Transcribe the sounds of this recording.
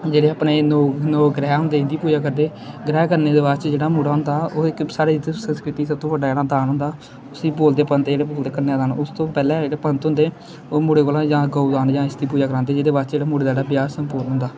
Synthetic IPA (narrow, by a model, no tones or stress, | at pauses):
d͡ʒeːɽeːəpneːnoːnoːɡɾɛːɦʊ̃nd̪eːɪnd̪iːpuːd͡ʒaːkəɾd̪eː | ɡɾɛːkəɾneːd̪eːbaːt͡ʃd͡ʒeːɽaːmʊɽaːɦʊnd̪aːoːɪksaːɽeːd̪sənskɾɪt̪iːsəb̚t̪õːʋəɖaːd͡ʒeːɽaːd̪aːnɦʊ̃nd̪aː | ʊsiːboːld̪eːpənt̪d͡ʒeːɽeːboːld̪eːkəɾneːaːd̪aːnʊst̪õːpɛːlɛ̃ːd͡ʒeːɽeːpənt̪ɦʊ̃nd̪eː | oːmʊɽeːkoːlãːd͡ʒãːɡoːd̪aːnd͡ʒãːɪsd̪iːpuːd͡ʒaːkəɾaːnd̪eːd͡ʒeːdeːbaːɾt͡ʃd͡ʒeːɽaːmʊːɽed̪aeɽaːbjaːɾsəmpʊɾnɦʊ̃nd̪aː